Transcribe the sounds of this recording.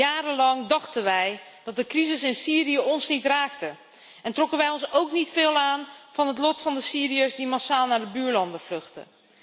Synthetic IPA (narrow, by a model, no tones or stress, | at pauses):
aːɾəlɑŋdɑχtənʋɛj | d̥ɑt̚dəkrizɪsɪnsiːrijəɔnsnitraːktə | ɛntrɔkənʋɛjɔnsowknitfɪːlˠaːnv̥ɑnɦətlɔtfɑndəsiːriəsdimasaːlˠnaːɹdəbyːɹlɑndəv̥lɵχtə̰